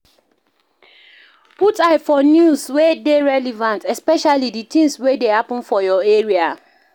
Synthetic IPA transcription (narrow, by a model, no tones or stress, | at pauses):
putaɪfɔnjuswedeɹɛlɛvãntɛspɛʃaliditĩŋswedehapɔ̃nfɔjɔeɹia